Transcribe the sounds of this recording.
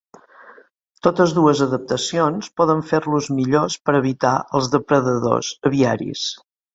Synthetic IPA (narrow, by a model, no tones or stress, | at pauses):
t̪ot̪əzðuəzəðəp̚t̪əsionspɔðəɱfeɾluzmiʎospəɾəβ̞it̪a̰ʔəlˠzðəpɾəðəðo̰z̥əβiaɾḭs